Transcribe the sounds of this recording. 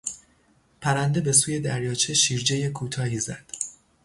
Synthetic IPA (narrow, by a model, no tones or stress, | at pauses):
pʰæɾænd̪e̞be̞suːje̞d̪æɾjɒːt͡ʃʰe̞ʃiːɾd͡ʒe̞jekʰuːt̪ʰɒːhiːzæ̰d̪̥